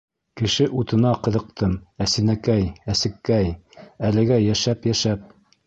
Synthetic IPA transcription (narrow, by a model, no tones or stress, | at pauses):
kɘ̆ʃɘʔut̪ɤ̆nɑqɤ̆ðɤ̆q̚t̪ɤmæsɘnækæjæsɘ̆kːæjælɘ̆ɡæjæʃæpjæʃæp̚